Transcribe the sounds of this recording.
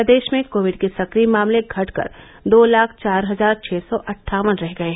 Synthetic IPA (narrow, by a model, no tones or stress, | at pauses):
d̪eːʃmẽkoːʋɪɖkesɐkɾimaːmleɡʱɐʈkə̰ɾ | d̪oːlaːkʰt͡ʃaːɾɦɐzaːɾt͡ʃʰɛːsɔʔɐʈʰːaːʋənɾɛɦɡɐeɦɛ